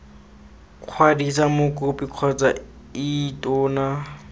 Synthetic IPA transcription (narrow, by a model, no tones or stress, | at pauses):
q͡χʰwadisamʊkʼʊpʼiq͡χʰɔt͡sʼa | itʼʊːna